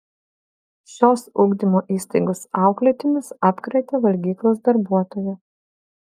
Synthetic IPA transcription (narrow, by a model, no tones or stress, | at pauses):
ʃʲoːsʊɡd̪ʲɪmoːʔiːst̪ɐɪɡosɑˑʊklʲɛt̪ʲɪmʲɪsɑːpkɾʲɐɪt̪ʲeʋɐlʲɡʲiːklˠos̬d̪ɐɾbuɔt̪oːjɛ